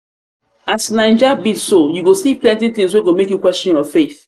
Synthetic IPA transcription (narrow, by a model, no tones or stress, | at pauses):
asnãɪ̃nd͡ʒabidsojuɡosiplɛ̃ntiθĩŋs̬weɡomekjukwɛst͡ʃɔ̃njɔfeθ